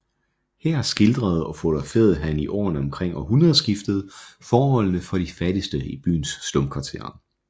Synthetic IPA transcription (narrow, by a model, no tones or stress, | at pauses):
heɐ̰sɡ̥e̝ld̥ʁɐð̞̩ˠɒ̽fod̥ɑfḛɐð̩ˠɦæniʔɒ̰ːnəɒ̽mkʰʁeŋ̰ɒɦunʁɐðˠsɡ̥ifd̥əð̞̩ˠfɒːɦɒ̽l̰nəfɒ̽ɾ̥ifædisd̥əib̥y̰ːnsːlɔmkʰʋɑ̈t͡sʰe̝̰ɐ